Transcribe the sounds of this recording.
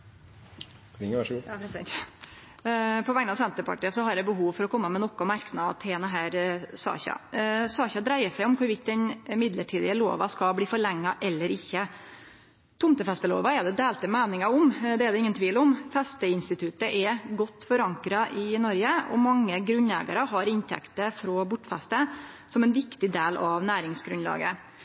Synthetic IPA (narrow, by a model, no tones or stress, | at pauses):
ɪŋʂ | pʰɔʋɛŋənɑsɛnt̪əpɑ̰ʈiːɑsɔhɑɾd̪ɛbəɦuːʋfɔɾɔkʰɔmːəmɛnɔkːɔmæɾknɑt̪ʰeːnɑɦæːɾsɑ̰ːçɑ̰sɑːçɑd̪ɾæɪəʂæɪɔmkʊɾʋɪt̪̚d̪ɛnmɪd̪ləʈʰiːd̪ɪəlo̰ːʋɑskɑbliːfɔɭɛŋːɑʔɛlːəɾɪçːə | t̪ʰʊmt̪əfɛst̪əlo̰ːʋɑɛd̪ɛd̪eːlt̪əmæːnɪŋɑɔmd̪ɛɛɖ̪ɛɪŋːənt̪ʰʋiːlɔmfɛst̪əɪnst̪ɪt̪ʰʉt̪əʔɛɡɔt̪ːfɔɾɑŋkɾɑʔɪnɔɾɡəɔ̰mɑŋːəɡɾʉnæ̰ːɡɑɾəɦɑɾɪnt̪ʰɛ̰kt̪əfɾɔbʊʈːfɛst̪ə | sɔmɛnʋɪkt̪ɪd̪eːlɑʋnæːɾɪŋsɡɾʉnlɑ̰ːɡə̰